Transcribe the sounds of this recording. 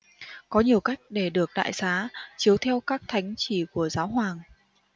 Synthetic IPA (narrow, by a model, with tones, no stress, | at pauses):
kɔ˨˦ɲi˨˩əwka˦˥jk̟̚ɗe˧˩ɗɨ˨˩ək̚ɗa̰ː˧˨jsaː˨˦t͡ɕi˨˦əwt̪ʰɛ˧wkaː˦˥k̚t̪ʰa˨˦jŋ̟t͡ɕi˧˩ku˧˩əzaː˨˦wɦwaː˨˩ŋ